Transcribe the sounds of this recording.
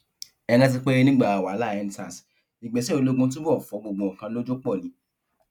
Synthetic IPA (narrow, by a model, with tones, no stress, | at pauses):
ɛ˧ɡã˦t̬i˧k͡pe˦nĩ˦ɡ͡ba˦˨a˨wa˨˦la˦˨ɛ˧n˦ta˨s | nĩ˨ɡ͡bɛ˨˦sɛ˦o˧lo˦ɡũ˧˦t̬ũ˦bɔ˦˨fɔ˨˦ɡ͡bo˧˨ɡ͡bõ˧˨ɔ˨kã˧lo˦d͡ʒo˦k͡pɔ˦˨nĩ˨˦